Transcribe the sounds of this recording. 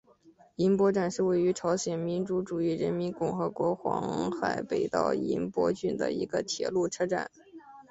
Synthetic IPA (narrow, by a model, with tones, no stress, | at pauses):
i˧˥npwɔ˥ʈ͡ʂa˥˩nʂɻ̩˥˧we˥˩ɪy˧˥ʈ͡ʂʰɑ˧˥ʊɕjɛ˨˩nmi˧˥nʈ͡ʂu˧˥ʈ͡ʂu˨˩i˥˩ɻə˧˥nmi˧˥nkʊ˥˩ŋxɤ˧˥kwɔ˧˥xwɑ̰˧˥ŋxa˨˩ɪpe˨˩ɪt̪ɑ̰˥˩ʊḭ˧˥npwɔ̰˥t͡ɕy˥˩nd̪ə̰˩ḭ˧˥ɡə˧t̪ʰjɛ̰˨˩lu˥˩ʈ͡ʂʰɤ˥ʈ͡ʂa̰˥˩˦n